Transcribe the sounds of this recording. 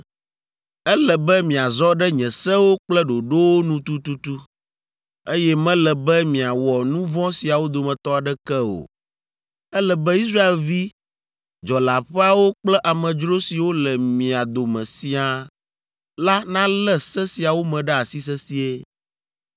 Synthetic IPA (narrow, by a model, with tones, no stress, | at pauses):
ɛ˦lɛ˨bɛ˦mĩ˨a˨zɔ˦ɖɛ˦ɲɛ̃˨sɛ˦wo˦k͡plɛ˦ɖo˨ɖo˦wo˦nũ˦t̪u˦t̪u˦t̪u˦ | e˦jɛ˦mɛ̃˦lɛ˨bɛ˦mĩ˨a˨wɔ˨nũ˦vɔ̃˦si˨a˨wo˦d̪o˨mɛ̃˨t̪ɔ˦a˨ɖɛ˦kɛ˦o̰˨ | ɛ˦lɛ˨bɛ˦i˦s̬ɾa˦e˨lvi˦ | d͡ʒɔ˨la˨ɸɛ˦a˨wo˦k͡plɛ˦ʔa˨mɛ̃˨d͡ʒɾo˦si˨wo˦lɛ˨mĩ˨a˨d̪o˨mɛ̰̃˨si˦a˨ | la˦nã˦lɛ˦sɛ˦si˨a˨wo˦mɛ̃˨ɖɛ˦a˨si˦s̬ɛ˦si˨e˦